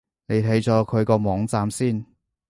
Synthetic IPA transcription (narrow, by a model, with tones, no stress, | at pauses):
ne˨˧jt̪ʰe˨˥jt͡ʃɔː˨˥kʰɵ˨˧ɥkɔː˧mɔː˨˥ŋt͡saː˧msiː˥˩n